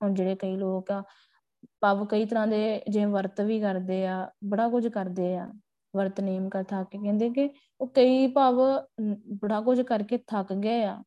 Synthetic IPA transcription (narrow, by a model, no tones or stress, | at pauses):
ond͡ʒeːɽeːkəiːloːkaː | paːʋkəiːt̪̬əɾãːd̪eːd͡ʒẽːʋəɾt̪ʋiːkəɾd̪eːaːbəɽaːkʊd͡ʒkəɾd̪eːaː | ʋəɾt̪neːmkəɾt̪ʰaːkeːkɛ̃ːnd̪eːkɪ | oːkəiːpaːʋ | bəɽaːk̬ʊd͡ʒkəɾkeːt̪ʰakɡeːaː